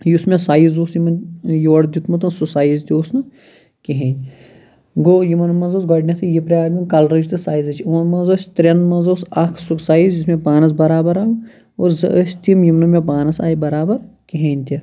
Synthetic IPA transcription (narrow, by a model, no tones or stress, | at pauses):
jusmẽsaːjizoːsjimɐnjoːɽd̪ʲit̪mɐt̪ɐnsusaːjizt̪ʲioːsnɨ | kiɦeːnʲ | ɡojimɐnmɐnzoːsɡɐɖnʲɐt̪ʰɨjipɾʲjaːunkɐlɾɐt͡ʃʰt̪ʰɨsaːjizɐt͡ʃʰumɐnmɐnzoːsʲt̪ɾʲenmɐnzoːsɐkʰsuksaːjizjismẽpaːnɐs̬bɐɾaːbɐɾaːu | oːɾzɐʔəsʲt̪imjimnɐmẽp̬aːnɐsa̰ːibɐɾaːbɐɾkiɦeːnʲt̪ʲi